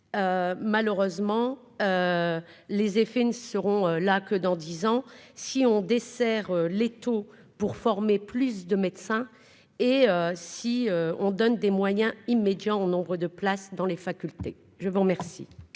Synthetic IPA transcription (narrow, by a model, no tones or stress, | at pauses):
ømaləʁøzmɑ̃ | ø | lezefenəsəʁɔ̃ølakəd̪ɑ̃d̪izɑ̃siɔ̃d̪esɛʁølet̪o | puʁfɔʁmeplys̬d̪əmɛd̪sɛ̃ | eøsiøɔ̃d̪ɔnd̪emwajɛ̃imed̪jɑ̃onɔ̃bʁəd̪əplasd̪ɑ̃lefakʲylt̪ḛ | ʒəvuʁmɛʁsḭ